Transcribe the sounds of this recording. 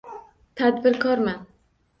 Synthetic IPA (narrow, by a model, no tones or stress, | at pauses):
t̪ʰad̪bɪɾkʰɒɾman